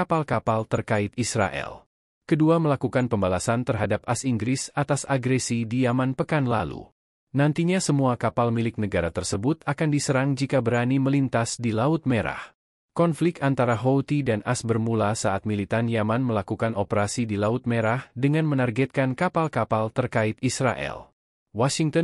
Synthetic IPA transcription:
kapalkapalt̪ərkaɪt̪isra̰ʔɛ̰l | kəduaməlakukanpəmbalasant̪ərɦadap̚asiŋɡɾɪsat̪asaɡɾɛsidijamanpəkanla̰lṵ | nant̪iɲasəmuakapalmilɪk̚nəɡaɾat̪ərsəbʊt̪akandisəɾaŋd͡ʒikabəɾaniməlint̪asdilaʊt̪̚meɾa̰h | kɔnflɪk̚k̪ant̪aɾaɦot̪idanʔasbərmulasaʔat̪̚milit̪anjamanməlakukanopəɾasidilaʊt̪̚meɾahdəŋanmənarɡɛt̪̚kankapalkapalt̪ərkaɪt̪isɾa̰ʔɛ̰l | wɔsiŋt̪ə

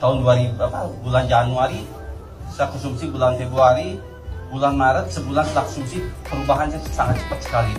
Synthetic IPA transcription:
t̪aɦʊnduaɾiapabuland͡ʒanuaɾi | səlakɔnsumsibulanfebɾuaɾi | bulanmaɾət̪̚səbulansəlakɔ̥sumsipəɾubaɦansisaŋat̪̚t͡ʃə̥pət̪̚sə̥kali

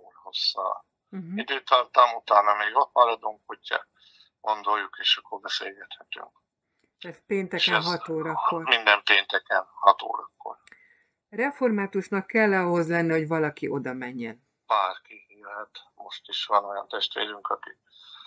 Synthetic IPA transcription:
oːlho̞sːɒ̰ː | ɦid̪et̪ant̪amut̪aːnɒmeːɡot̪malɒd̪uŋkhotːɒ̰ | ɡ̥o̞nd̪ojːukeːʃɒkːoɾbɛseːlɡɛt̪hɛt̪y̰ŋk | t̪æːt̪peːnt̪ɛkɛɦɒt̪oːɾɒkːormind̪ɛmpeːnt̪ɛkɛnhɒt̪o̰ːɾɒkːo̰r | rɛfo̞rmaːt̪uʃnɒkːɛlːɒɦo̞zlɛnːɛho̞ɟʋɒlɒkiʔo̞d̪ɒmɛɲːɛn | paːrkihiːlɦɛt̪mo̞ʃt̪iʃʋɒno̞jɒ̰nt̪ɛʃt̪ʋeːɾyŋkɒki

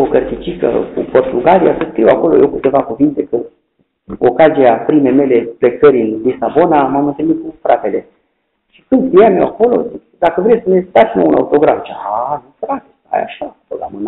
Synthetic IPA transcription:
okərt̪it͡ʃikə̰kṵpo̞rt̪uɡalijasəskɾiwa̰ko̞lo̞̰jewkɨt̪e̞vakuvint̪e̞kə | okaziapɾimeme̞le̞plekəɾʲɨnlisabo̞namamɨnt̪ɨlmit̪̚kufɾate̞le | ʃi̥kɨnd̪t̪ijamewako̞lo̞̰ | d̪akəvɾejsənet̪at̪sno̰una̰ut̪o̞ɡɾaft͡ʃaanufɾat̪ea̰ja̰ʃapoamən

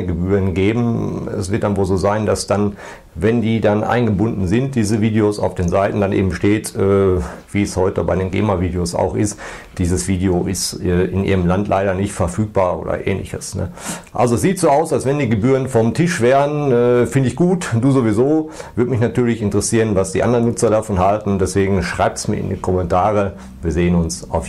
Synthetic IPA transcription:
ɡəbyːʁənɡeːbm̩ɛ̰sv̥ɪɐtd̥anvoːlzoːzaɪndasd̥an | vɛndiːdanʔa̰ɪnɡəbʊndn̩zɪnt̚d̥iːzəviːdeosa̰ʊfd̥eːnzaɪtn̩danʔḛːbm̩ʃteːtʔɛːv̥iːɛshɔʏtəbaɪdeːnɡḛːmaviːdeosa̰ʊxʔɪstd̥iːzəsv̥iːdeoʔɪstɛːʔɪnʔḭːʁəmlantlʔaɪɾɐnɪçtfɛɐfyːk̚b̥aːɐʔo̰ːdɐ̰ʔḛːnlɪ̰çəsnə̰ʔa̰lzoɛsz̥iːtz̥oːaʊsalsv̥ɛndiːɡəbyːʁənfɔmtʰɪʃv̥eːʁənɛːfɪndəɪçɡ̥uːtd̥uːzovizoːvʏɐtmɪçnatʰyːɐlɪçɪntəʁəsiːʁənvasd̥ḭːʔa̰ndəʁənːʊt͡sɐdafɔnɦaltn̩dɛsv̥eːɡŋ̩ʃʁ̥a̰ɪp̚tsmiːɐɪ̰ndḭkʰɔmɛntʰaːʁ̞ə | viːɐzeːənʊnsʔa̰ʊf

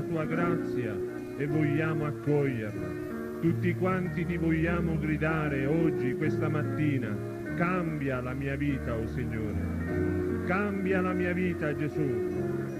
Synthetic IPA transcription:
t̪uːaɡɾat̪sːja | ɛvːɔʎːaːmʊakːɔʎːɛrla̰ | t̪ut̪ːikwant̪it̪ivɔʎːaːmʊɡɾid̪aːɾɪɔd͡ʒːikwɛst̪amat̪ːiːna | kambjalamiːaviːt̪aɔsiɲːoːɾɪ̰ | kambjalamiːaviːt̪ad͡ʒːɛsu

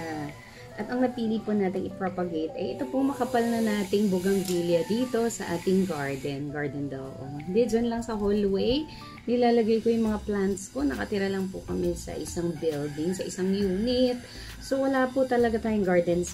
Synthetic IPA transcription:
a | ʔɐt̪ɐŋnɐpiːliponaːt̪ɪŋʔɪpɾopɐɡejt̪ʔɐjʔɛt̪o̞poŋmɐkɐpalnɐnaːt̪ɪŋbʊɡɐŋɡiːljɐd̪iːt̪o̞sɐʔaːt̪ɪŋɡaɹd̪ɛnɡaɹd̪ɛnd̪ɐwɐ̰ʔohɪnd̪ɛd͡ʒɐnlɐŋsɐɦolwej | nɪlaːlɐɡajkojʊŋmɐŋaplant̪sko̞nɐkɐt̪ɪɾɐlɐŋpʊkɐmɛsɐ̰ʔɪsaŋbɪld̪ɪŋsɐʔɪsaŋjuːnɪt̪̚ | sowɐlaːpʊt̪ɐlɐɡat̪aːjʊŋɡaɹd̪ɛns

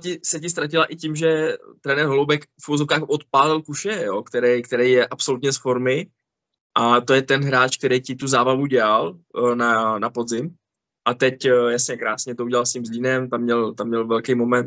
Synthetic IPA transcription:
cɪsɛcɪs̬t̪ɾacɪlaʔɪcimʒɛt̪ɾɛːnɛɾɦolowbɛkfuvozofkaːxʔot̪̚paːlɪlkuʃɛjokt̪ɛɾɛjkt̪ɛɾɛjjɛʔapso̞lut̪ɲɛsfo̞ɾmɪ | ʔat̪o̞jɛt̪ɛnɦɾaːt͡ʃk̚t̪ɛɾejcɪt̪uzaːbavuɟɛalnanapod̪zɪm | ʔat̪ɛcjasɲɛkɾaːsɲɛt̪ouɟɛlalscimzliːnɛmt̪amɲɛlt̪amɲɛlvɛlkejmo̞mɛnt̪

